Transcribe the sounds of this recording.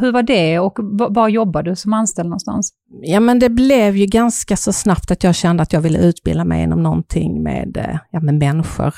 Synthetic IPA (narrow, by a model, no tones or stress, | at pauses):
ɦɵɾvaɖɛɔkvavaɾjɔbːad̪ɵsɔmanst̪ɛlɔ̰nst̪a̰ns | jɑːmɛnd̪ɛblɛvjɵɡanskasɔsnapt̪at̪jɑːɡɕɛnd̪əat̪jɑːɡvɪlːə̰ʉ̟ːt̪bɪ̰lamɛ̰jɪ̰nːɔmnɔnt̪ʰɪ̰ŋːmḛːd̪jɑːmɛmɛnɧʊ̰ɾ